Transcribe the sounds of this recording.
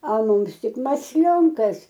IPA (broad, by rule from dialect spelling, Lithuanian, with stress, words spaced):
ɐlˠ ˈmʊms ˈtʲɪk mɐsʲˈlʲoːŋkɐs